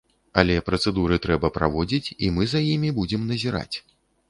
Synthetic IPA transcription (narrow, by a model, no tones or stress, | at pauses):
ɐ̰lʲɛpɾɐt̪sɛd̪uɾɨt̪ɾɛbɐpɾa̰vɔd͡zʲit͡sʲimɨzajimʲibud͡zʲɛmnɐzʲiɾa̰t͡sʲ